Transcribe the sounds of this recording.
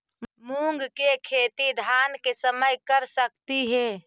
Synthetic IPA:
muŋɡkekʰeːt̪id̪ʱankesəməjkəɾsək̚t̪iɦɛ

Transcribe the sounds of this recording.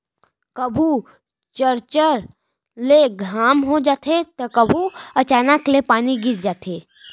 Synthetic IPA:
kəbʱu | t͡ʃəɾt͡ʃəɾ | leɡʱaːmɦod͡ʒaːt̪ʰet̪ɐkəbʱuɐt͡ʃaːnəklepaːniɡɪɾd͡ʒaːt̪ʰeː

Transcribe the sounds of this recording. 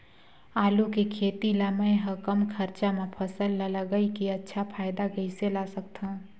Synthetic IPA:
aːlukekʰeːt̪ilaːməẽɦɐkəmkʰɐɾt͡ʃamẽpʰəsəlːɐləɡəikiɐtːʃʰapʰaːɪd̪aɡɐiselaːsək̚t̪ã

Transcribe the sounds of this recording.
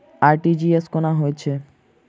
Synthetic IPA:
aɾʈid͡ʑieskonaɦoet͡ɕʰe

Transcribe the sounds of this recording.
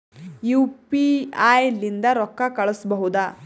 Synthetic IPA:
jupiajlind̪aɾɔkːakɐɭɔsbɐɦud̪a

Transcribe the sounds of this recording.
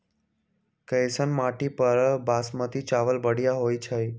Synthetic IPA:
kəjsənmaʈipəɾbasmə̃t̪ʰit͡ʃaʋəlbəɽjaɦojt͡ʃʰəj

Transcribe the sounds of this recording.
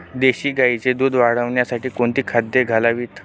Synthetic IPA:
d̪eɕiːɡait͡sed̪uːd̪ʋaɽ̤əʋɳjasaʈiːkoɳt̪iːkʰad̪ːeɡʱalaʋiːt̪

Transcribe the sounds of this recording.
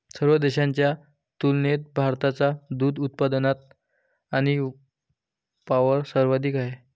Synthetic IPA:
səɾʋəd̪eɕaɲt͡ɕja | t̪ulnet̪̚bʱaɾt̪at͡sad̪uːd̪ut̪̚pad̪ənat̪̚ | aɽ̃i | paʋəɾsəɾʋad̪iːkaɦe

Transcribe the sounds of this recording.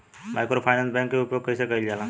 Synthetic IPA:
majkɾopʰaɪnãnsbɛ̃ŋkːeupjoɡ̚kəjsekəild͡ʒalã

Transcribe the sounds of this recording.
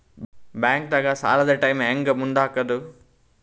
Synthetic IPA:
bjaːŋk̚d̪ɐɡasa̰ːlɐd̪ɐʈɐjmeːŋɡɐmuɳɖ̪aːkːɐd̪u

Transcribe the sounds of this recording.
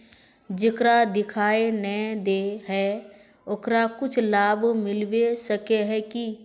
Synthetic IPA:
d͡ʒɪkɾad̪ɪkʰaːenɛd̪eːɦɛː | okɾakʊt͡ʃʰlaːbmɪlʋesəkeɦɛːki

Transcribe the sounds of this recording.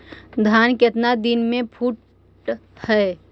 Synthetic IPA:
d̪ʱaːnkɪt̪nad̪inmẽpʰuːʈ | hɛː

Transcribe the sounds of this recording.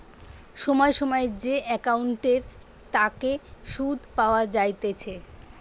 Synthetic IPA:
ʃɔmɔeʃɔmɔed͡ʑeʔɛkawɳʈeɾ | t̪akeʃud̪ʱpaoad͡ʑajt̪et͡ɕʰe

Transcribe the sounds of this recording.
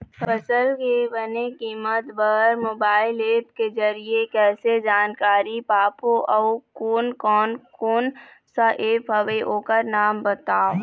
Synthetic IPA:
pəsəlkebənekiːmət̪bəɦɾmoːbaːɪleːp̚ked͡ʒəɾiekɛːsed͡ʒaːnkaːɾipaːpoʔɔːkoːnkɔːnkoːn | saʔeːpɦɐʋeʔoːkəɾnaːmbət̪aːo

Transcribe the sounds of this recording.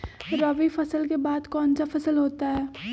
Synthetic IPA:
ɾɐʋifɐsəlkebaːd̪kɔːnt͡ʃafɐsəlɦoːt̪aɦɛː

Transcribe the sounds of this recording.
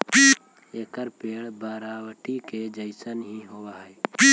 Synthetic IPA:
eːkəɾpeːɭbaːɾaːʋəʈiked͡ʒəɪsənɦĩːɦowaːɦɛ

